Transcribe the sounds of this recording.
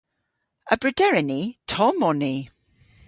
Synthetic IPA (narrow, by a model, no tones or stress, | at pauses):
əbɹɪdɛɹɛnitʰɔmɔni